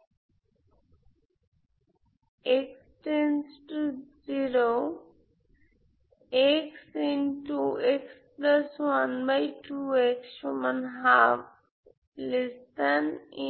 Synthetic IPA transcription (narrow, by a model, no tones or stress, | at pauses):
eksʈensʈuziɾo | eksĩnʈuekspɾeswanbajʈueksumənɦab | list̪ənĩ